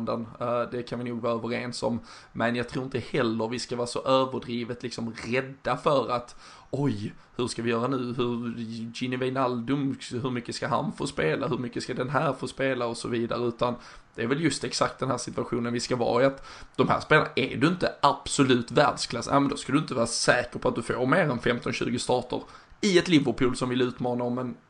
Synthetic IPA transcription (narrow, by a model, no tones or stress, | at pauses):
nd̪ənd̪ɛkʰanvɪnuːɡvɑːɾœːvəɾeːnsɔm | mɛnjaɡ̚t̪ʰɾuːɾɪnt̪əhɛlːəɾvɪskavɑːasɔʔøːvəɖɾiːvət̪lɪksɔmɾɛd̪ːafœɾat̪ | ɔj | hɵɾʂkavɪjœːɾanʉ̟ːɦɵɾd͡ʒɪnɪvɛɪnald̪ʊmhɵɾmʏkːəskaɦa̰nfoːspeːlʔaɦɵɾmʏkːəskad̪ɛnɦæːɾfoːspeːlaɔsɔviːd̪a̰ɾəʉ̟ːt̪an | d̪̥ɛæɾvɛljɵst̪ɛksak̚t̪̚d̪ɛnhæːɾsɪt̪ʉaɧuːnənvɪskavɑ̰ːɪat̪d̪̥ɔmhæ̰ːɾspeːlanaʔɛdɵɪnt̪əab̥sʊlʉ̟ːt̪væ̰ːɖskʰlasnʔɛ̰mɛnd̪ɔskad̪ɵɪnt̪əvɑːɾasɛːkəɾpʰɔat̪̚d̪ɵfoːɾmeːɾɛnfɛmt̪ɔnɕʉ̟̰ːɡʊst̪ɑːʈə̰ɾ | ɪɛt̪lɪvəɾpʰuːlsɔmvɪlʉ̟ːt̪mɑːnaɔmːɛn